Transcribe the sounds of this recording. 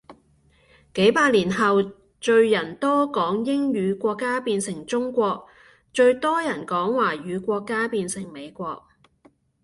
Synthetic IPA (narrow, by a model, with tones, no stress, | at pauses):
ke˨˥jpaː˧t̚liː˨˩nɦɐ˨w | t͡ʃɵ˧ɥjɐ˨˩nt̪ɔː˥kɔː˨˥ŋjɪ˥ŋjyː˨˧kʷɔː˧kːaː˥piː˧nsɪ˨˩ŋt͡sʊ˥ŋkʷɔː˧k̚ | t͡ʃɵ˧ɥt̪ɔː˥jɐ˨˩nkɔː˨˥ŋwaː˨˩ɥyː˨˧kʷɔː˧kːaː˥piː˧nsɪ˨˩ŋme˨˧jkʷɔː˧k̚